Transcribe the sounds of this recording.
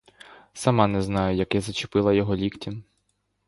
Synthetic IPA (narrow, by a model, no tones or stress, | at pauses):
sɐmɑnɛznɑjʊjɐkjazɐt͡ʃɪpɪlˠɐjɔɦɔlʲiktʲim